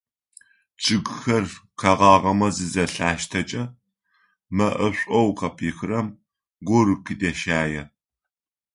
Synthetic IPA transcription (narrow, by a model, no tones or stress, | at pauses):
t͡ʃʰʼɨɡʷxɐrqʰɐʁɑːʁɐmɐzɨzɐɬaːʃtʰɐt͡ʃʼɐ | mɐʔɐɕʷʼɔwqɐpʰiːxɨrɐm | ɡʷɔɾɨqʰidɐʃaːjɛ